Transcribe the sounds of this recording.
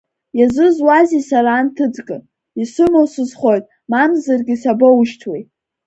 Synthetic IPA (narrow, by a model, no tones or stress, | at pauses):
jazʷɨzwazisaɾaːntʰɨd͡zʼɡʼɨ | isʷʊmowsɨzχo̞jtʼ | mamzarɡʲisabowʃtʰwe